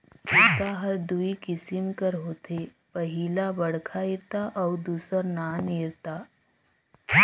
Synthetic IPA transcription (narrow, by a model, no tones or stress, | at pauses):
iɾt̪aɦɐɾd̪uikɪsɪmkəɾɦoːt̪ʰe | pəɦilabəɽkʰaiɾt̪aʔɔwd̪uːsəɾnaniɾt̪aː